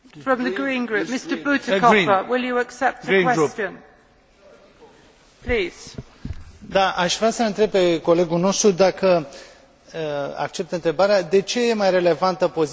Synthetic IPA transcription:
fɹə̃mðəɡɹĩnɡɹʉp̚mɪstəbutɪkʰɔiəwɪlˠjɨəksɛp̚tɡəikːnwɛɡɾupt͡ʃt͡ʃɨ̃n | pʰliːz̥ | d̪aʔaʃvɾasəɨnt̪ɾe̞b̚pe̞ko̞le̞ɡulno̞st̪ɾud̪akə | əa̰k̚t͡ʃe̞p̚t̪ɨnt̪ɾe̞baɾead̪e̞t͡ʃe̞je̞majre̞le̞vant̪əpo̞z

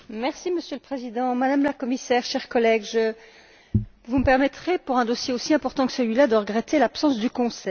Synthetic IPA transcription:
mɛʁsiməsjøləpχezid̪ɑ̃mad̪amlakɔmisɛʁʃɛʁkɔlɛɡʒə | vuməpɛʁmɛt̪χepuʁɛ̃d̪osjeosiɛ̃pɔʁt̪ɑ̃kə̥səlɥilad̪əʁəɡʁet̪elapsɑ̃sd̪ykɔ̃sɛ

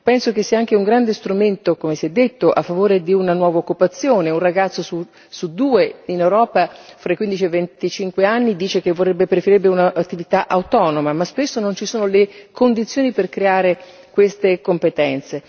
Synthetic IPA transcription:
pɛnsok̟esːiːaaŋk̟euŋɡɾand̪est̪ɾument̪okomesiɛd̪ːet̪ːoʔafːavoːɾed̪iunanwɔːvaokːupat̪sːjoːneunraɡat̪sːosu | sud̪uːeinewɾɔːpafɾaikːwind̪it͡ʃievːent̪it͡ʃiŋkweanːid̪iːt͡ʃek̟evːorːebːepɾefeɾiɾebːeunaʔat̪ːivit̪aʔawt̪ɔːnomamaspesːonont͡ʃisoːnolekond̪it̪sːjoːniperkɾeaːɾe | kwest̪ekompet̪ɛnt̪se

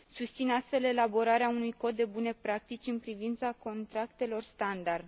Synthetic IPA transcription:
sust̪sinast̪fe̞le̞labo̞ɾaɾeaunujko̞t̪̚d̪e̞bune̞pɾak̚t̪it͡ʃʲɨnpɾivint̪sako̞nt̪ɾakt̪e̞lo̞rst̪and̪ard̪

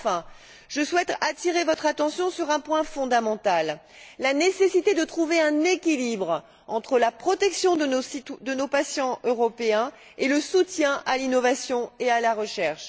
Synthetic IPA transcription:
fɛ̃ | ʒ̥əswɛt̪at̪iʁevɔt̪χat̪ɑ̃sjɔ̃syʁɛ̃pwɛ̃fɔ̃d̪amɑ̃t̪alː | anesesit̪ed̪ət̪χuveɛ̃nekʲilibʁ | ɑ̃t̪χəlapχɔt̪ɛksjɔ̃d̪əosid̪ənopasjɑ̃øʁɔpeɛ̃eləsut̪jɛ̃ʔalinɔvasjɔ̃ealaʁəʃɛʁʃ

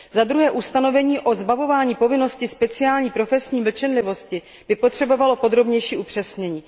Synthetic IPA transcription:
zad̪ɾuɦɛːʔust̪ano̞vɛɲiːʔo̞zbavo̞vaːɲiːpo̞vɪno̞scɪspɛt͡sɪaːlɲiːpɾo̞fɛsɲiːvl̩t͡ʃɛnlɪvo̞scɪ | b̥ɪpo̞t̪r̝̥ɛbo̞valo̞po̞d̪ɾo̞bɲɛjʃiːʔupr̝̥ɛsɲɛɲiː

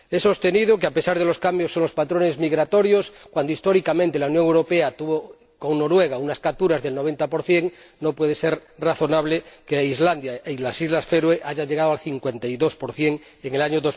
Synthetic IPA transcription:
e̞so̞st̪e̞nið̞okeape̞saɾðe̞lo̞skambjosːo̞ŋlo̞spat̪ɾone̞zmiɣɾat̪o̞ɾjoskwand̪oist̪o̞ɾikamẽnt̪elaunjoŋewɾopeat̪uβo | ko̞ŋno̞ɾwe̞ɣ̞aunaskap̚t̪uɾazðe̞lno̞β̞e̞nt̪apo̞ɾθje̞ŋno̞pwe̞ð̞ese̞ɾraθo̞naβlekeizland̪jaeilasizlasfeɾweʔaʝaʎeɣað̞oalθiŋkwe̞nt̪ajðospoɾθje̞ŋ | eŋelaɲoðoz

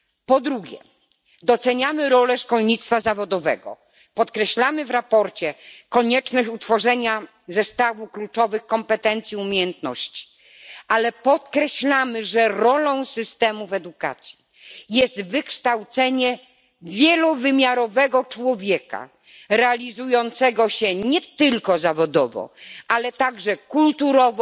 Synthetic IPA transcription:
pɔd̪ɾuɡʲjɛ̰ | d̪ɔt̪sɛɲamɘɾɔlɛʂkɔlɲit̪st̪fazavɔd̪ɔvɛ̰ɡɔ̰ | pɔt̪kɾɛɕlamɘvɾapɔɾt͡ɕɛkɔɲɛt͡ʂnɔɕut̪fɔʐɛɲa | zɛst̪avuklut͡ʂɔvɘxkɔmpɛt̪ɛnt̪sʲjiumʲjejɛnt̪nɔ̰ɕt͡ɕi̥ | alɛpɔt̪kɾɛɕlamɘʐɛɾɔlɔ̃w̃sɘst̪ɛmuvɛd̪uka̰t̪sʲji | jɛst̪vɘkʂt̪awt̪sɛɲɛ | vʲjɛlɔvɘmʲjaɾɔvɛɡɔt͡ʂwɔvʲjɛka̰ | ɾɛalʲizujɔnt̪sɛɡɔɕɛɲɛt̪ɘlkɔzavɔd̪ɔvɔ̰ʔalɛt̪aɡʐɛkult̪uɾɔv

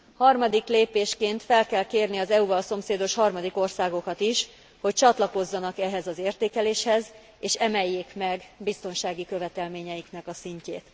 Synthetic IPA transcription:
hɒrmɒd̪ikleːpeːʃkeːnt̪fɛlkɛlkeːrniɒzɛuvɒlso̞mseːd̪o̞ʃhɒrmɒd̪iko̞rsaːɡo̞kɒt̪iʃ | ho̞c̚t͡ʃɒt̪lɒko̞zːɒnɒkɛɦɛzɒzeːrt̪eːkɛleːʃhɛz | eːʃɛmɛjːeːkmɛɡbist̪o̞nʃaːɡikø̞vɛt̪ɛlmeːɲɛjiknɛkɒsiɲcḛːt̪

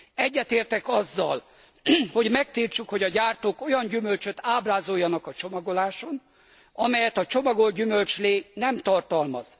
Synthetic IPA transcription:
ɛɟːɛt̪eːrt̪ɛkɒzːɒl | ho̞ɟmɛk̚t̪iːrt͡ʃukho̞ɟɒɟaːrt̪oːko̞jɒnɟymølt͡ʃøt̪aːbraːzo̞jːɒnɒkɒt͡ʃo̞mɒɡo̞laːʃo̞n | ɒmɛjɛt̪ɒt͡ʃo̞mɒɡo̞lɟymø̞lt͡ʃleːnɛmt̪ɒrt̪ɒlmɒz̥

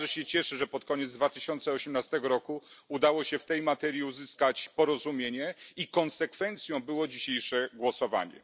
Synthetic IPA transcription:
ɛɕɛt͡ɕɛʂɘʐɛpɔt̪kɔɲɛd̪zd̪vat̪ɘ̥ɕɔnt̪sɛɔɕɛmnast̪ɛɡɔɾɔkuud̪awɔɕɛft̪ɛjmat̪ɛɾʲjiuzɘskat͡ɕpɔɾɔzumʲjeɲɛikɔnsɛkfɛnt̪sʲjɔ̃w̃bɘwɔd͡ʑiɕejʂɛɡwɔsɔva̰ɲɛ̰

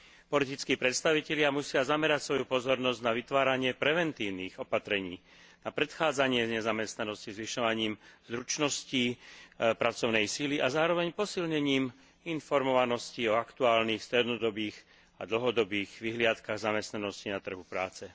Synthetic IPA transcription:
pɔlit̪it͡skiːpɾɛt̪st̪aʋicɛʎɪamusɪazamɛɾacsʋɔjupɔzɔɾnɔzɟnaʋit̪ʋaːɾaɲɪɛpɾɛʋɛnt̪iːʊniːɣɔpat̪ɾɛɲiː | napɾɛt̪xaːd͡zaɲɪɛzɲɛzamɛst̪nanɔscizʋiʃɔʋaɲiːmzɾut͡ʃnɔsci | pɾat͡sɔʊnɛjsiliʔazaːɾɔʋɛɲpɔsilɲɛɲiːm | infɔɾmɔʋanɔsciɔakt̪uaːlniːxst̪ɾɛd̪nɔd̪ɔbiːɣ | a̰d̪l̩ɦɔd̪ɔbiːɣʋiɦlɪat̪kaɣzamɛst̪nanɔscinat̪r̩ɦupɾa̰ːt͡sɛ

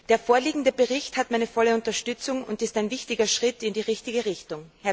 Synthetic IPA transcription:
d̥eːɐfoːɐliːɡŋ̩dəbəʁɪçthatmaɪnəfɔləʊntɐʃtʏt͡sʊŋʊ̰ntɪstaɪnvɪçtɪɡɐʃʁ̥ɪtɪndiːʁɪçtɪɡəʁɪçtʊŋhɛɐ

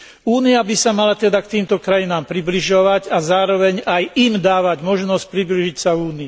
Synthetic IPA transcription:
uːniabisamalat̪ɛd̪akt̪iːmt̪ɔkɾajinaːmpɾibliʒɔʋaɟazaːɾɔʋɛɲajʔimd̪aːʋaɟmɔʒnɔsc̚pɾibliʒicsauːnii

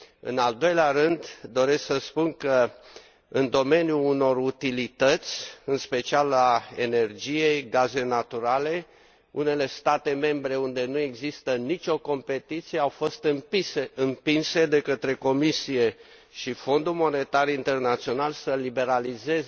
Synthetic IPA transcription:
ɨ̰nald̪o̞jleaɾɨnd̪d̪o̞ɾe̞sksəspunkə | ɨnd̪o̞me̞njuːno̞rut̪ilit̪ət̪sʲɨnspe̞t͡ʃialae̞ne̞rd͡ʒije̞jɡaze̞nat̪uɾale̞ | une̞le̞st̪at̪e̞me̞mbɾe̞und̪e̞nue̞ɡzist̪ənit͡ʃʲo̞ko̞mpe̞t̪it̪sije̞awfo̞st̪ɨmieɨmpinse̞d̪e̞kət̪ɾe̞ko̞misije̞ | ʃifo̞nd̪ulmo̞ne̞t̪arint̪e̞rnat̪sio̞nalsəlibe̞ɾalize̞z

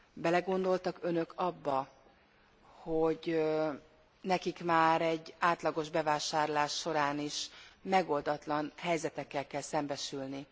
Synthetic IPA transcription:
bɛlɛɡo̞nd̪o̞lt̪ɒkø̞nø̞kʰɒbːɒ | hoɟ | nɛkikmaːɾɛɟːaːt̪lɒɡo̞ʒbɛvaːʃaːrlaːʃːo̞ɾaːniʃmɛɡo̞ld̪ɒt̪lɒnhɛjzɛt̪ɛkːɛlkːɛlsɛmbɛʃylni

